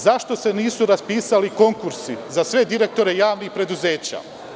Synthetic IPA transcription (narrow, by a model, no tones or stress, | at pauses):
zaʃt̪o̞se̞niːsuɾaspiːsaliko̞ŋkuɾsizasʋe̞d̪iɾe̞k̚t̪o̞ɾe̞jaːʋnixpɾe̞d̪uze̞ːt͡ɕa̰ː